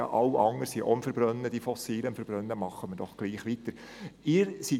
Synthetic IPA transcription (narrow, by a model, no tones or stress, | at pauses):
ɑ̰ʔɑʊʔɑŋəsiʔo̰əmfəɾb̥ɾœnːəd̥ifɔsiːləmfəɾb̥rœnːəmɑχːəməd̥ɔχɡ̥liːχʋitəɾ | ɪːɾsi